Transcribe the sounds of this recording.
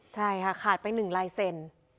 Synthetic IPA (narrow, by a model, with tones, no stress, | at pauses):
t͡ɕʰa˥˩jkʰa˦˥˩kʰaː˨˩t̪̚pa˧jnɯ˨˩ŋɾaː˧jse˧n